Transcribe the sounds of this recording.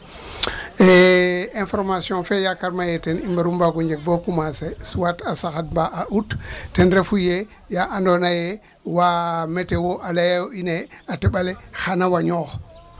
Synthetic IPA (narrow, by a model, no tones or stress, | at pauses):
eẽnfoɾmasiõfejakaɾmajetenimbaɾumbaɡuɲd͡ʒeɡ̚bokumasesuwatasaxat̚baʔaʔuttenɾefuje | jaʔandonaje | wametewoʔalajajoineateɓalexanawaɲoːx